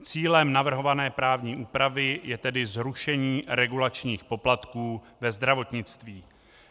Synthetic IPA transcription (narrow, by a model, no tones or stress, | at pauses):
t͡siːlɛmnavr̩ɦo̞vanɛːpɾaːvɲiːʔuːpɾavɪjɛt̪ɛdɪzɾuʃɛɲiːɾɛɡulat͡ʃɲiːxpo̞plat̪kuː | vɛzd̪ɾavo̞t̪ɲɪt͡st̪viː